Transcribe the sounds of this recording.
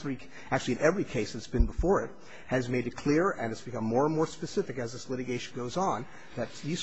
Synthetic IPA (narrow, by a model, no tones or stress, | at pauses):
ɹi | æk̚t͡ʃʉl̩ˠiɨ̃nɛvɹikʰeɪsɨtsb̥ɨ̃nbəfɔɹɪt̚ | hɨzmeɪɾɨt̚kʰl̥ɪɹɨ̃nɨtsb̥ɨkʰʌ̃mːɔɹə̃nmɔɹspɨsɪfɨkɨzðɪslɪɾɨɡeɪʃn̩ɡoʊzn̩ | ðɨt̪̚ðiz̥